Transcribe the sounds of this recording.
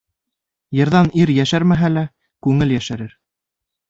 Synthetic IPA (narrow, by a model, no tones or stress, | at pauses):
jɤ̆ɾðɑniɾjæʃæɾmæɦælæ | kʉŋɘljæʃæɾɘɾ